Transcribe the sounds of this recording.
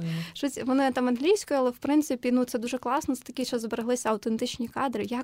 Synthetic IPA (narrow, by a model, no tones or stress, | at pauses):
ʃɔt͡sʲʋɔnɪt̪ɑmɐnɦlʲijsʲkɔjʊalˠɛwpɾɪnt̪sɪpʲinut̪sɛd̪uʒɛklˠɑsnɔt̪sɛ̥t̪ɐkʲiʃt͡ʃɔzbeɾeɦlˠɪsʲɐɐwt̪ent̪ɪt͡ʃnʲikɑd̪ɾɪjɐk